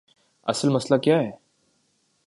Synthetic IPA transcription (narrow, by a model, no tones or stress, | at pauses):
ɐ̰səlmɐslakjaːɦɛː